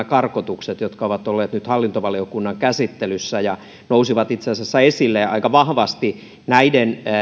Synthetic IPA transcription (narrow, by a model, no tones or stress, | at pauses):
ækɑrkot̪ukset̪jot̪kɑoʋɑt̪olːeːt̪nyt̪hɑlːint̪oʋɑliokunːɑŋkæsit̪ːelysːæjɑ | nousiʋɑt̪it̪seɑsesːæesilːeɑ̰ikɑʋɑhʋɑst̪i | næiden